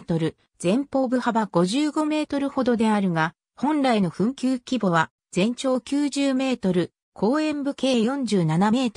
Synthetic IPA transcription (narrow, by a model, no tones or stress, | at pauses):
t̪o̞ɾɯ̟ | d͡zẽ̞mpo̞ːbɯ̟habaɡ̥o̞ʑɨːɡo̞me̞ːt̪o̞ɾɯ̟ho̞d̪o̞d̪e̞aɾɯ̟ŋa | hõ̞nɾaino̞ɸɯ̟̃ŋkʲɨːkʲibo̞β̞a | d͡zẽ̞ɲ̟t͡ɕo̞ːkʲɨːʑɨːme̞ːt̪o̞ɾɯ̟ | kʰo̞ːẽ̞mbɯ̟ke̞ːjõ̞ɲ̟d͡ʑɨːnaname̞ːt̪o